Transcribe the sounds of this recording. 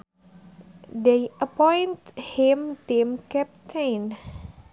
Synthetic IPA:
dejəpɔjnthimt̪imkɛp̚t͡ʃejn

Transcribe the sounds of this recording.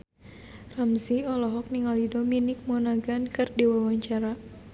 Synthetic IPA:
ramziɔlɔɦɔk̚niŋalidominɪk̚mɔnaɡankɨrdiwawaɲt͡ʃaɾa

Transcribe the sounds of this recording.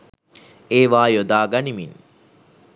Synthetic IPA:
eːʋaːjod̪aːɡanimin

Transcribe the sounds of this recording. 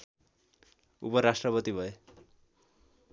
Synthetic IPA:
ṵpʌɾasʈrʌpʌt̪ibʱʌe

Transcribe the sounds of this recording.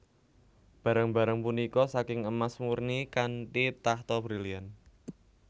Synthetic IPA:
b̥a̤ɾəŋba̤ɾəŋpunikɔsakɪŋəmasmurnikanʈit̪aht̪ɔbɾilian

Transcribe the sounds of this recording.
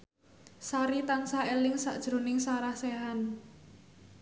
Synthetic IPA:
saɾit̪ansaʔelɪŋsa̰ʔd̥ʒ̥ɾonɪŋsaɾahseɦan

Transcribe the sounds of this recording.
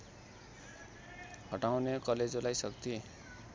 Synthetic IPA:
hʌʈawnekʌled͡zolajsʌkt̪ʰi

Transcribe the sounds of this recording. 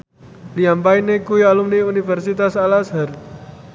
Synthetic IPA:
liampainekuialumneunifɛrsit̪asalasɦar

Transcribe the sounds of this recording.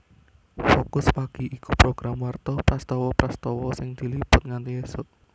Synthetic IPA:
fokʊspaɡ̥i̤ʔikupɾoɡ̥ɾamwart̪ɔpɾast̪ɔwɔpɾast̪ɔwɔsɪŋd̪̥i̤lipʊt̪̚ŋant̪iesʊt̪̚

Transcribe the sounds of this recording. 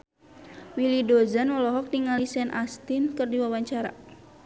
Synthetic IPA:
wilidɔzanwɔlɔɦɔk̚diŋalisɛnʔast̪inkɨrdiwawaɲt͡ʃaɾa̰

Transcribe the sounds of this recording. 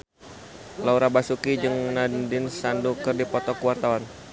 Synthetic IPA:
lauɾabasukid͡ʒɨŋnadɪnsandukɨrdipɔt̪ɔkəwart̪awan

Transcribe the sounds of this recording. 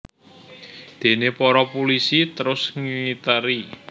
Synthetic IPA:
d̪̥e̤nepɔɾɔpulisit̪əɾʊsŋiit̪əɾi

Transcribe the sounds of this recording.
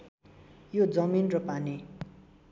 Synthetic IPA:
jod͡zʌminrʌpani

